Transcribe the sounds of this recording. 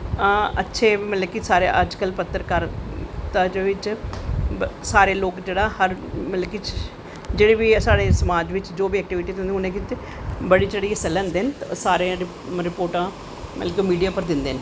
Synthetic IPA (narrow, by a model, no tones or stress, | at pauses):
ətːʃʰeːmət̪ləɡkisaːɾḛːʔəd͡ʒkəlpət̪ːəɾkəɾt̪ad͡ʒʋɪt͡ʃ | saːɾeːloːkd͡ʒeːɽaːhəɾmələɡki | d͡ʒeːɽeːbisaːɽeːsəmaːd͡ʒʋɪt͡ʃd͡ʒoːbiːɛːk̚ʈɪʋɪʈiːt̪õnd̪eʊnẽːkit̪e | bəɽiːd͡ʒeːɽiːəsɛlːɛ̃ːnd̪eːnsaːɾẽɾ | ɾɪpoːɾʈãː | mə̰t̪ləkimiːɖijaːpəɾd̪ɪnd̪eːn